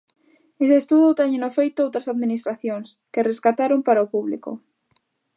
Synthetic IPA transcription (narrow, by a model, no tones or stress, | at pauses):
eseːst̪uðʊt̪ɛɲenofejt̪ʊowt̪ɾasaðminist̪ɾaθjoŋs | kereskat̪aɾompaɾaopuβlḭko̰